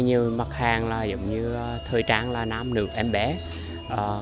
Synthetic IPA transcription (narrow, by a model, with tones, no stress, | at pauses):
ɲi˨˩əwma˨˩t̚haː˨˩ŋlaː˨˩z̰wŋ͡mɲɨ˧t̪ʰɨː˧jt͡ɕaː˨˥ŋlaː˨˩naː˨˧˥mnɨ̰˨˩ək̚ʔɛ˧mɓɛ˨˦ | ʔəː˨˩